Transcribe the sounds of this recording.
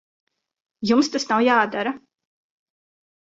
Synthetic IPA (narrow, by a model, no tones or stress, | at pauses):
jumst̪asnawjaːd̪aɾa